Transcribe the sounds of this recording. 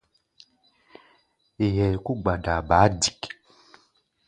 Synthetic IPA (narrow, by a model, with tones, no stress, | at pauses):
e˨jɛ˨ku˦ɡ͡ba˨da˨ba˨˦di˨k